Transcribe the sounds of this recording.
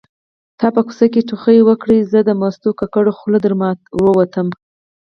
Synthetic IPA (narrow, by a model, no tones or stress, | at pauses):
t̪ɑpəku̥sak̬eʈuxəjwəkɽəjzəd̪əmɑst̪okakaɽoxlod̪əɾmɑwəwat̪əm